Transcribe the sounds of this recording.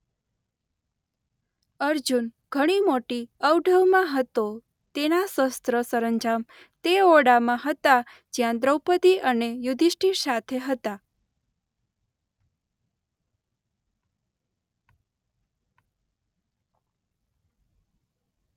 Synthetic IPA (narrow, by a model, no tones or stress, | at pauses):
əɾd͡ʒunɡ̥ʱəɽ̃imoʈiəwɖʱəʋmãɦət̪o | t̪enasəst̪ɾəsəɾəɲd͡ʒam | t̪eoɽamãɦət̪a | d͡ʒjãd̪ɾəwpət̪iʔənejud̪ʱiʃʈisat̪ʰeɦət̪a